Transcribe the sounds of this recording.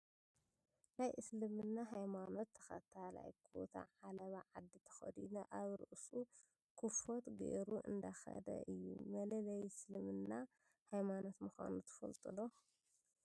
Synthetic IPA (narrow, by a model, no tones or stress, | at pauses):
najʔɨslɨmɨnːaɦajmano̞t̪ʰːɐ̥xɐt̪ʰala̰jkʰo̰t̪ʰa̰ʕalɐβaʕad̪ːit̪ʰɐ̥xɐ̰d̪inɐʔaβɾɨʔsu | kʰufot̪ɡḛʔɾuʔɨ̰nd̪axɐ̰d̪ɐ̰ʔɨjːṵmɐlɐlɐjslɨmɨnːa | hajmano̞t̪mɨxa̰nut̪ʰɨ̥fɐ̰lt̪ʼɨlo